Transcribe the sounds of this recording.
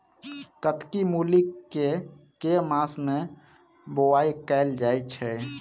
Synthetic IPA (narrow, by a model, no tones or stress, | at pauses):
kət̪kimuːlikːekemaːsmẽ | bowaːikɛɪld͡ʒaːet͡ʃʰɛ